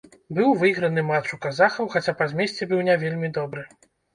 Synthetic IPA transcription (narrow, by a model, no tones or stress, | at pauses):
bɨwvɨjɣɾɐnɨmat͡ʂukazaxɐwxat͡sʲapazʲmʲesʲt͡sʲɛbɨwnʲavʲelʲmʲid̪ɔbɾɨ